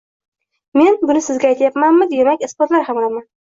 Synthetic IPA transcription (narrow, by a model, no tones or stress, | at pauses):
me̞nbʊnɪsɪzɡʲaːjt̪ʰajapmanmɪd̪emakʲɪsbɒt̪laɾhamlaman